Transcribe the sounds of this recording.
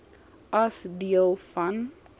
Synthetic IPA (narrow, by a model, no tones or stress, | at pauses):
ɐsdiəlˠfɐn